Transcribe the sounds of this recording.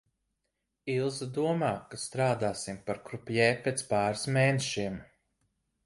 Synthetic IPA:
ilˠzd̪uɔmaːkast̪ɾaːd̪aːsimpaɾkɾupʲjɛːpet̪spaːɾɨsmeːneʃiɛm

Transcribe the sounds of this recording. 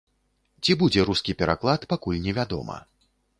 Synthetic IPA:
t͡sʲibud͡zʲɛɾuskʲipʲɛɾaklˠat̪pakulʲnʲɛvʲad̪ɔ̰mɐ̰

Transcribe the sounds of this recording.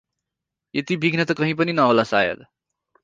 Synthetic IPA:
jet̪ibʱiɡʱnʌt̪ʌkʌɦĩpʌninʌolasa̰jʌ̰d̪

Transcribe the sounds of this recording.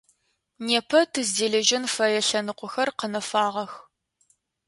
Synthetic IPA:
neːpʰɐtʰɨzdeːɮɐʒɪnfɐjɛɬɐnɨqʷʊxɐrqənɐfaːʁɐx

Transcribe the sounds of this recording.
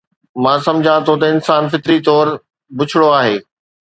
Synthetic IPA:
mãːsɐ̃md͡ʑʱãt̪ʰot̪ɐɪnsaːnfɪt̪ɪɾit̪ɔːɾ | bʊt͡ɕʰɪɽoaːɦeː

